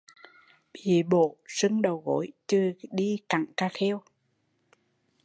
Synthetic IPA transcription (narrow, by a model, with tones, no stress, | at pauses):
ɓi˨˩ɓo̰˧˨sɨ˧ŋɗə˨˩wɣo̰˧˨˦jt͡ɕɨ˧ɗi˧ka˧˩˨ŋkaː˧xe˧w